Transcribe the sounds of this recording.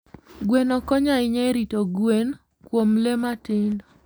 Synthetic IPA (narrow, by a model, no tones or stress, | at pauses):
ɡwenɔkɔɲaɪɲeɾitoɡwen | kwomlematind